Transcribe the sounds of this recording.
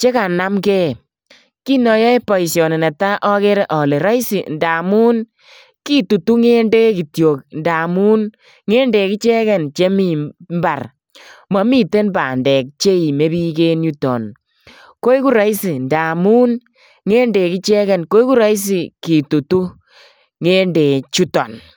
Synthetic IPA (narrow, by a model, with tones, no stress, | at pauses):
t͡ʃe˦ka˨na˦mkɛ˦˨ | ki˦nɔ˨jɔ˦jpɔ˨i˨sjɔ˨nɛ˨na˨ta˦ʔɔ˦ke˦ɾɛ˦ʔɔ˨le˨ɾɔ˦jsi˨nda˨mu˦n | ki˦tu˨tu˦ŋe˦nde˦ki˨tjo˨k̚nda˨mu˦n | ŋe˦ndɛ˨ki˦t͡ʃɛ˦kɛ˦nt͡ʃe˦mi˨mba˨r | mɔ˨˦mi˦˨te˦nba̰˨ndɛ˨k̚t͡ʃe˦i˨me˦bi˦ke˦nju˦tɔ̰˨n | ko˦i˦ku˦ɾa˦jsi˨nda˨mu˦n | ŋeː˦nde˨ki˦t͡ʃɛ˦kɛ˨nko˦i˦ku˦ɾa˦js̬i˨ki˨tu˨tu˦ | ŋe˦nde˨t͡ʃu˦tɔ˨n